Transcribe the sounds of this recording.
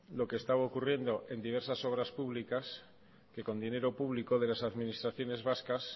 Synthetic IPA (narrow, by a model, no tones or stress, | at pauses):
lo̞keːst̪aβaokurje̞nd̪o̞ʔe̞nd̪iβ̞e̞ɾsaso̞β̞ɾaspuβlikas | ke̞ko̞nd̪ine̞ɾo̞puβ̞liko̞ð̞e̞lasaðminist̪ɾaθjo̞ne̞zβaskas